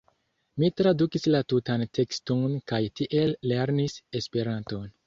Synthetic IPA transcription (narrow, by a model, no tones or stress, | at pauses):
mitɾadukislatutantʰe̞kstonkajtiʔe̞lːe̞ɾnisespe̞ɾanto̞n